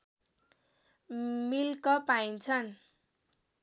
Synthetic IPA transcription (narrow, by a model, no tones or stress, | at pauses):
milkʌpaint͡sʰʌn